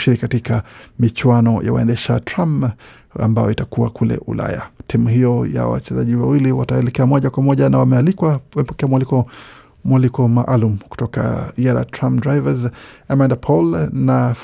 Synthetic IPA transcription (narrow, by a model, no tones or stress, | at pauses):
ʃiɾikatikamit͡ʃwanɔja̰wa̰ɛndɛʃatɾam | a̰mbajɔitakua̰kulɛ̰ʔula̰ja̰tʰimuhijɔja̰wa̰t͡ʃɛzaʄiwawiliwataɛlɛkɛamɔʄakwamɔʄanawamɛalikwawamɛpɔkɛamwalikɔ | mwalikɔmaʔalumuku̥tɔka̰iaɾa̰tɾamdɾajvazamandapʰɔlna